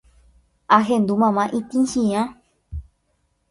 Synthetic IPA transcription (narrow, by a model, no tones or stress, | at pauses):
ʔaɦẽnd̪umãmãʔĩt̪ĩnʃĩã